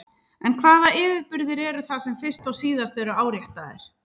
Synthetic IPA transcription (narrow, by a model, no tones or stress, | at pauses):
ɛnkʰvaːðaɪːvɪɾpʏɾðɪɾɛːɾʏθasɛmfɪst̪ɔwsiːðast̪ɛɾʏaːwɾjɛht̪aðɪ̰ɾ̥